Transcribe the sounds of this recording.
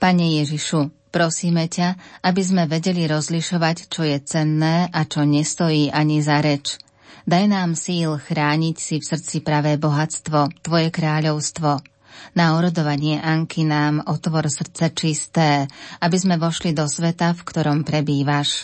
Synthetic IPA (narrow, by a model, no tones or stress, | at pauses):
paɲɛjɛʒiʃu | pɾɔsiːmɛcaabizmɛʋɛɟɛliɾɔzliʃɔʋact͡ʃɔjɛt͡sɛnːɛːʔat͡ʃɔɲɛst̪ɔjiːʔaɲizaɾɛt͡ʃ | d̪ajnaːmsiːlxɾaːɲicsifsr̩t͡sipɾaʋɛːbɔɦat͡st̪ʋɔt̪ʋɔjɛkɾaːʎɔʊst̪ʋɔ | naɔɾɔd̪ɔʋaɲɪɛʔaŋkʰinaːmɔt̪ʋɔɾsr̩t͡sɛt͡ʃist̪ɛːabizmɛʋɔʃlid̪ɔsʋɛt̪afkt̪ɔɾɔmpɾɛbiːʋaʃ